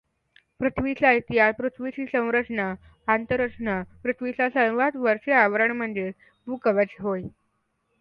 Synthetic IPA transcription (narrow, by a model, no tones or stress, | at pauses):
pɾut̪ʰʋit͡sait̪iɦaspɾut̪ʰʋit͡ɕiːsə̃w̃ɾət͡sɳa | ant̪əɾəʂɳapɾut̪ʰʋisasəwʋat̪ʋəɾʂeaʋɾəɳm̤əɳd͡ze | bʱukəʋat͡ɕiɦoj